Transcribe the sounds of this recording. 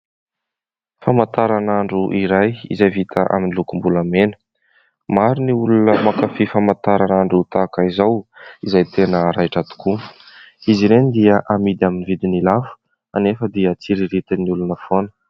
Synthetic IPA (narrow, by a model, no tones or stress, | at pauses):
famant̪aɾanaɳɖ͡ʐuʔiɾajḭzajvit̪ʰəʔa̰minilukumbulamenə̥ | maɾiniulunəmakafifamant̪aɾanaɳɖ͡ʐut̪akaizawizajt̪ʰenəɾajʈ͡ʂat̪u̥ku | iziɾenid̪iəʔamid̪iaminivid̪inilafə̥ | a̰nefəd̪iət͡siɾiɾit̪iniulunəfonə̥